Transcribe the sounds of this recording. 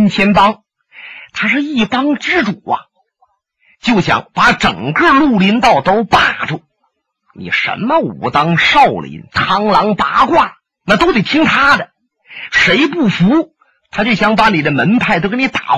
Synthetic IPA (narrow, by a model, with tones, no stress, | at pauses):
nt͡ɕʰjɛ˥np̪ɑ˥ŋ | t̪ʰa˥ʂɻ̩˥˧i˥˩t̪ɑ˥ŋʈ͡ʂɻ̩˥ʈ͡ʂu˨˩˦ɐ̰˦ | t͡ɕjo˥˩ʊɕjɑ̰˧˥ŋpa˧˥ʈ͡ʂɤə̰˨˩ŋkɤ˥˧lu˥˩li˧˥nt̪ɑ˥˩ʊt̪o˥ʊpa˥˩ʈ͡ʂu˥˩ | nḭ˨˩ʂə̰˧˥nmə˧ṵ˨˩t̪ɑ˥ŋʂɑ˥˩ʊlḭ˧˥nt̪ʰɑ˧˥ŋlɑ˧˥ŋt̪a˧˥kwa˥˩ | na˥˩t̪o˥ʊt̪e˨˩ɪt̪ʰi˥ŋt̪ʰa˥d̪ə˨ | ʂe˧˥ɪpu˥˩fu˧˥ | t̪ʰa˥t͡ɕjo˥˩ʊɕjɑ˧˥ŋpa˧˥ni˨˩d̪ə˦mə˧˥npʰa˥˩ɪt̪o˥ʊkni˧t̪a˨˩